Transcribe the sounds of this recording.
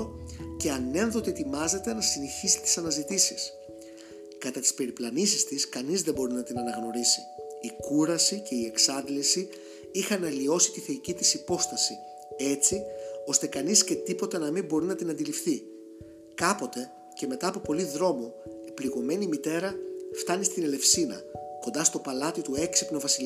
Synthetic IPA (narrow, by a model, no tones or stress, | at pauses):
oce̞ɐne̞nðo̞t̪eet̪imɐze̞t̪e̞nɐsineçiset̪i̥sɐnɐzit̪isis | kɐt̪ɐt̪i̥spe̞ɾiplɐnisist̪iskɐnizðe̞bo̞ɾinɐt̪inɐnɐɣno̞ɾisiːkuɾɐsice̞ie̞ksɐd̪lisi | ixɐnɐlio̞si̥t̪iθe̞icit̪isipo̞st̪ɐsi | e̞t͡sio̞st̪e̞kɐnisce̞t̪ipo̞t̪ɐnɐmimbo̞ɾinɐt̪inɐnd̪ilifθi | kɐpo̞t̪e̞ | ce̞me̞t̪ɐːpo̞po̞liðɾo̞mo̞e̞pliɣo̞me̞nimit̪e̞ɾɐft̪ɐnist̪ine̞le̞fsinɐ̰ko̞nd̪ɐst̪o̞pɐlɐt̪it̪ue̞ksipno̞vɐsil